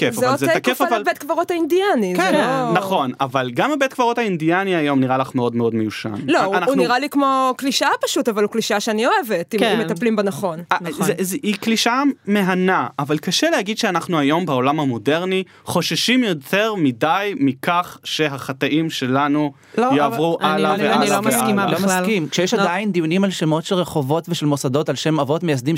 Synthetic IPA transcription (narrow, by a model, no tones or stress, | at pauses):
kefzeozetakefavalbet̪̚kvaʁothaindianikzenaχo̞navalɡamebetkvaʁo̞taindianiajo̞mniʁalaχmeo̞dmeo̞dmejuʃa̰nloanaunuiʁalikmokliʃapaʃutavalukliʃaʃeanio̞evetimimet̪aplimbanaχo̞nazezikliʃame̞ɦanaʔːvalkaʃelehaɡid̪ʃeanaχnuajo̞mbeo̞lamhamo̞deʁni | χo̞ʃaʃimjo̞tʰeʁmidajmikaχʃeɦaχat̪aʔimʃe̞lanu | ljeavʁuʔalaeniloaskimalomaskimkʃejɛʃadaind̪ijunimalʃemo̞tʃelʁeχo̞vo̞tveʃelmosado̞talʃe̞mavo̞tmejas̬d̪im